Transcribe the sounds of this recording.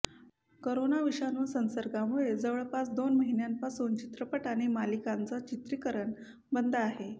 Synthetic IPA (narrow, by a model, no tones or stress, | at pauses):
koɾonaʋiʂanusə̃nsəɾɡamuɭed͡zəʋɭpat͡sd̪onməɦinjampasont͡ɕi̥t̪ɾəpəʈaɽ̃imalikant͡sət͡ɕit̪ɾikəɾəɳ | bənd̪ʱəaɦe